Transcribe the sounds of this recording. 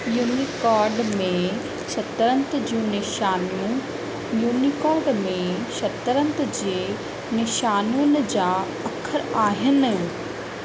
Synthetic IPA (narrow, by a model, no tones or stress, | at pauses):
juːniːkɔːɾɖmẽ | ʃɐt̪ɾə̃nt̪d͡ʑiũnɪʃaːnũ | juːnikɔːɾɖmẽʃɐt̪əɾə̃nt̪d͡ʑeː | nɪʃaːnunɪ̆d͡ʑaː | ɐkʰəɾaːɦɪnɪ̆